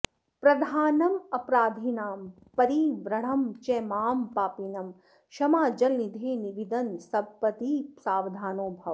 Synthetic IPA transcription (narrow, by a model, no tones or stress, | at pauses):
pɾɐd̪ʱaːnɐmɐpɾaːd̪ʱinaːm | pɐɾiʋɾɐɽ̤ɐmt͡ʃɛmaːmpaːpinɐm | ʃɐmaːd͡ʒɐlnid̪ʱeːniʋid̪ɐnsɐbpɐt̪iːsaːʋd̪ʱaːnoːbʱɐʋ